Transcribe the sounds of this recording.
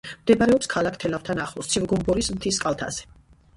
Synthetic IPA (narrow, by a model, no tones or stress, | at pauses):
md̪ɛbaɾɛɔpskʰalakʰt̪ʰɛlavt̪ʰanaχlˠɔst̪sʰivɡɔmbɔɾismt̪ʰiskʼalˠt̪ʰa̰z̥ɛ̥